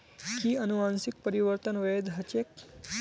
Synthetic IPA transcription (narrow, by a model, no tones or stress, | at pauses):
kiənuʋãnsik̚pəɾiʋəɾt̪ənʋed̪ɦɐt͡ʃek